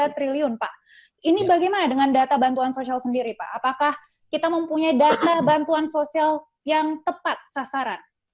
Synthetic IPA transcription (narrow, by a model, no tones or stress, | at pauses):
at̪ɾiliʊnpaʔ | inibaɡamanadəŋandat̪abant̪uansosialsəndiɾipa̰ʔːpakah | kit̪aməmpuɲaidat̪abant̪uansosial | jaŋt̪əpat̪̚sasaɾan